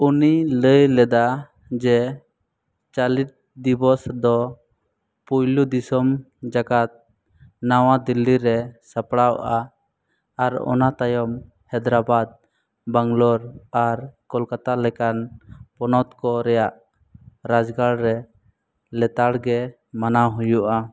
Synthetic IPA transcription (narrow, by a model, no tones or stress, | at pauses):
uniləjlɛd̪a | d͡ʒɛ | t͡ʃalit̪̚d̪ibɔsd̪ɔ | pujlud̪isɔm | d͡ʒaɡat̪̚ | nawad̪ilːiɾɛsapɽawʔaː | ɾɔ̰nat̪ajɔm | hɛd̪ɾabad̪̚ | baŋlɔɾaɾkɔlkat̪alɛkanpɔnɔt̪kɔɾɛjaʔ | ɾad͡ʒɡaɽɾɛ | lɛt̪aɽɡɛ | manaɦujuʔa